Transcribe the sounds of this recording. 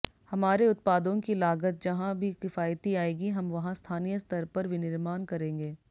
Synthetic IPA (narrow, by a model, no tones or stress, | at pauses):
hɐmaːɾeʊt̪̚paːd̪õkilaːɡət̪̚d͡ʒɐɦãbʱikɪfaːjt̪iaːeːɡiɦɐmʋɐɦãst̪ʰaːnijəst̪ɐɾpɐɾʋɪnɪɾmaːnkɐɾẽːŋɡeː